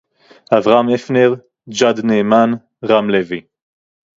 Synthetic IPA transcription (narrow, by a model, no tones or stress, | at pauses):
ʔavʁamefneʁ | d͡ʒad̪neman | ʁamlevi